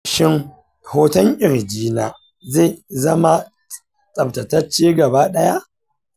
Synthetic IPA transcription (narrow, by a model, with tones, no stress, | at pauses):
ʃɪ˦ŋ | hoː˦tɐ˦ŋʔʲʼɪ˨ɾd͡ʒiː˦naː˨ | ze˦˨zɐ˦ma˦ | sʼɐ˨btɐ˨tɐ˦t͡ʃeː˦ɡɐ˨baː˦ɗɐ˦ja˦ʔ